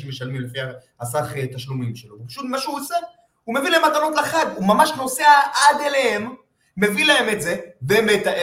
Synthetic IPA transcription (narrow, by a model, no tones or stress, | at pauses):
imeʃalmimlefia | asaχet̪aʃlumimʃelovpaʃut̪maʃuase | ume̞vilaemat̪ano̞tlaχevumamaʃkno̞seaʔad̪elehemː | e̞vilaemetze̞beːmet̪aʔe